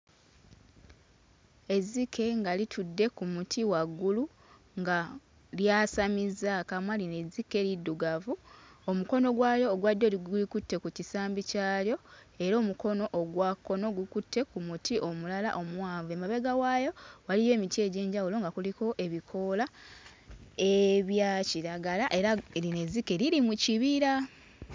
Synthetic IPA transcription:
e̞zikʰe̞ŋɡalitʰudːe̞kumutʰiwaɡːulu | ŋɡa | ljaːsamizakamwaline̞zike̞ɾidːuɡavuomuko̞no̞ɡwaːjo̞ːɡwadːo̞ɡulikutːe̞kucisaːmbicaːljo̞ | e̞ɾo̞ːmuko̞no̞ʔːɡwakːo̞no̞ɡukutːe̞kumutʰiʔo̞mulala̰ʔo̞mwaːɱvue̞maβe̞ɡawajo̞walije̞ːmite̞ːɟe̞ːɲɟawulo̞ŋɡakuliko̞ʔe̞βikʰo̞la | eβjaciɾaɡalaʔe̞ɾaline̞zikːe̞ɾiɾimuciβiɾa

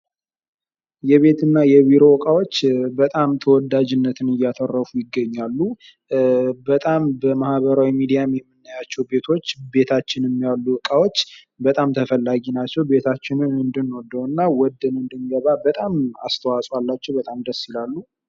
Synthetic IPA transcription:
jɛβe̞t̪ɨnːajɛβiɾo̞wɔkʼawo̞t͡ʃːbət̪ʼamt̪ʰəwɔd̪ad͡ʒɪnːət̪ʰɨnɨjːat̪ʰərːəfujɪɡːəɲːalːu | bət̪ʼambəmahbəɾawimid̪ijamjɛmːɨnːajat͡ʃːɛwbe̞t̪ʰo̞t͡ʃːbe̞t̪ʰat͡ʃːɪnɛmːijalːuwɔkʼawo̞t͡ʃː | bət̪ʼamt̪ʰəfəlːaɡinat͡ʃːɛwbe̞t̪ʰat͡ʃːɪnɨnɨnd̪ɨnod̪ːəwɨnːawɔd̪ɨnɨnd̪ɨnɡəβabət̪ʼama̰st̪ʰəwasʼwalːat͡ʃːɛwbət̪ʼamd̪əsːjɪlalːu

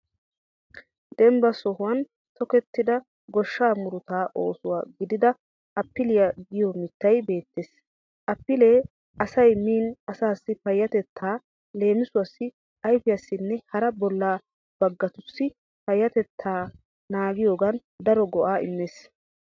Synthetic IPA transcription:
d̪ɛmbɐsɔhʊwɐn | t̪ɔkɛt̪ːɪd̪ɐ | ɡɔʃːaːmʊɾʊt̪aːʔo̞̰ːsʊwaːɡɪd̪ɪd̪ɐ | ɐpːɪlɪjɐɡɪjɔmɪt̪ːɐjbe̞ːt̪ːeːs | ʔɐpːɪleː | ʔɐsɐjmiːnɐsaːsːɪpɐjːɐt̪ɛt̪ʰːaː | le̞ːmɪsʊwɐsːɪ | ɐjfɪjɐsːɪnːɛhɐɾɐbɔlːaː | b̥ɐɡːɐt̪ʊsːɪ | pɐjːɐt̪ɛt̪ʰːaː | naːɡɪjo̞ːɡɐn | d̪ɐɾɔɡɔʔaːɪmːeːs

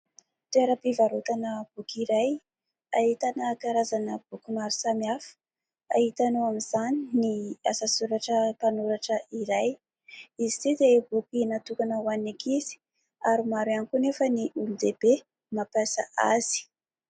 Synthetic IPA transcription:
t̪eɾəpivaɾot̪anəb̥ukiɾaj | aɦit̪anakaɾazanəb̥ukumaɾisamiafə̥ | aɦit̪anoamiz̥aniniasasuɾaʈ͡ʂəpanuɾaʈ͡ʂəiɾaj | izit̪id̪ebukinat̪ukanəwanakizi̥ | aɾumaɾwanikunefəniʔulud̪eb̥e | mapasa̰ʔa̰z̥i̥

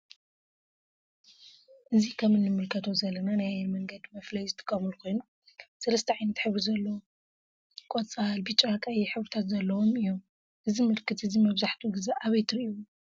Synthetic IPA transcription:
ʔɨzikʰɐmɨnːɨmɨlkʰɐt̪ʰo̞zɐlːɐnanajmɐŋɡɐd̪mɐflɐjzɨt̪ʰʼɨ̥kʼːɐmulkʰo̞jnu | sɐlɐst̪ʰɐʕajnɐt̪ħɨβɾizɐlːɐwo | kʼot͡sʼalbit͡ʃʼaakʼajiħɨβɾit̪ʰat̪zɐlːɐwomɨjːom | ʔɨzimɨlkʰɨt̪ɨzimɐβzaħt̪ʰuɡɨzaʔaβɐjt̪ʰɨɾiiwu

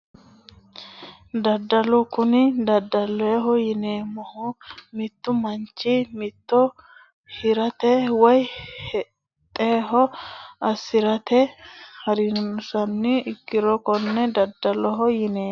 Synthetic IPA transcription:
d̪ɐd̪ːɐlʊkʊnɪd̪ɐd̪ːɐlɔɛɦɔjɪneːmɔhɔmɪt̪ːʊmɐnt͡ʃːɪmɪt̪ːɔ | hɪɾɐt̪ɛwɐjhɛ | t̪ʼːeːɦɔɐsːɪɾɐt̪ɛhɐɾɪsɐnːɪɪkːɪɾɔkɔnːɛd̪ɐd̪ːɐlɔɦɔjɪneː

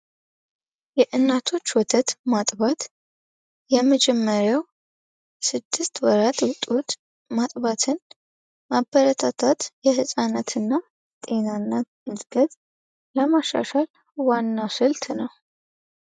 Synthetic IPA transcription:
jɛʔɨnːat̪ʰo̞t͡ʃːwɔt̪ʰət̪mat̪ʼβat̪ | jɛməd͡ʒɛmːəɾjaw | sɨd̪ːɨst̪wɔɾat̪wɔt̪ʼut̪ | mat̪ʼβat̪ʰɨn | mabːəɾət̪ʰat̪ʰat̪jɛhɨsʼanət̪ʰɨnːa | t̪ʼe̞nanːa | ɨzʼɡət̪ʼ | ləmaʃa̰ʃal | wanːasɨlt̪nəw

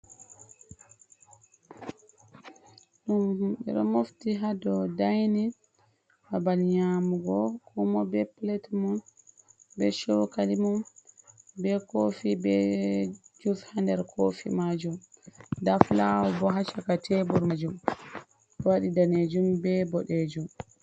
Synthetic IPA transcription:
ɗumɓɛ̰ɗɔmoftiɦadɔdajni | babalɲaːmuɡɔkɔmɔbɛplɛtmɔn | bɛʃɔwkalimɔn | bɛkofibɛ | d͡ʒufhandɛɾkʰofḭmad͡ʒumdaflawɔbɔɦat͡ʃakatʰɛbɔɾmad͡ʒum | dɔwaɗidaned͡ʒumbɛbɔɗed͡ʒum

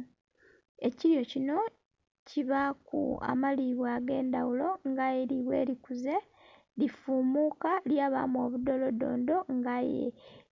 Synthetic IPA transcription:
e̞ciɾjo̞cino̞ | ciβakṵa̰maliβwaːɡe̞ːndawulo̞ŋɡajeɾiβwe̞̰ːɾikuze̞ | lifuːmukaljaːβa̰mo̞ːβudo̞lo̞do̞̰ːndo̞ŋɡajḛ

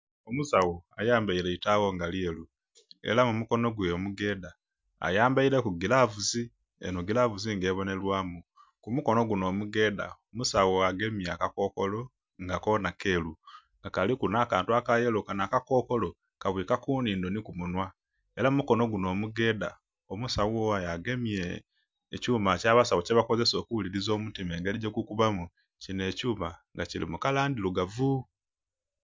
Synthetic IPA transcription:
omusawoajaːmbaiɾe̞itaɣo̞ŋɡalie̞lu | e̞̰lamumuko̞no̞ɡweomuɡe̞ːda | a̰jaːmbaiɾe̞kuɡilavuzi | ḛnuɡilaːvuziŋɡe̞ːβo̞ne̞lwaːmu | kumuko̞no̞ɡuno̞ːmuɡe̞ːda̰omusawoaɡe̞miakako̞ːkolo̞ | ŋɡakonake̞ːlu | ŋɡakalikunakaːntuakajelokanakako̞ːko̞lo | kaβwiːkakuːniːndo̞nikumunwa | e̞lamumuko̞no̞ɡuno̞ːmuɡe̞ːda̰ | omusawowajaɡe̞mieː | cuːmacaːβasawoceβako̞ze̞soːkuβuliɾizo̞ːmutimeːŋɡeliɟekukuβamu | cine̞ːcuːmaŋɡacilḭmukalaːndiluɡavu

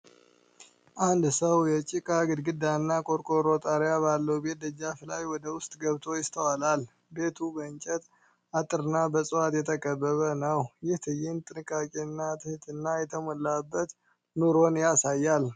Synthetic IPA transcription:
ʔand̪səwjɛt͡ʃʼikʼaɡɨd̪ɡɨd̪ːanːakʼo̞ɾkʼoɾo̞t̪ʼaɾjabalːəwbe̞t̪̚d̪əd͡ʒaflajwɔd̪əwʊst̪ʼɡəβt̪ʰo̞jɪst̪ʰəwalal | be̞t̪ʰubəɨɲt͡ʃʼɛt̪ | ʔat̪ʼɨɾɨnːabəsʼɨwat̪jɛt̪ʰəkʼəbːəβənəwjɪht̪ʰɨjɪnt̪ʼɨnɨkʼːakʼeɨnːat̪ʰɨhɨt̪ʰɨnːajɛt̪ʰəmolːabːət̪ | noɾo̞njasajːal

